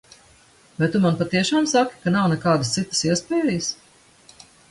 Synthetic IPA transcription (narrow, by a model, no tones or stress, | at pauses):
vajt̪umanpat̪iɛʃaːmsaki̥kanawnɛkaːd̪əst̪sit̪ə̥siɛspɛːɛjəs